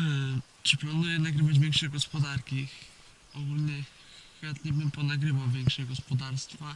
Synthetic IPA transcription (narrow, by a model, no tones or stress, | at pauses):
t͡ʂɘplanujɛnaɡɾɘvad͡ʑvʲjɛŋkʂɛɡɔspɔd̪aɾkʲi | ɔɡulɲɛ | xat̪ɲɛbɘmpɔnaɡɾɘvawvʲjɛŋkʂɛɡɔspɔd̪aɾst̪fa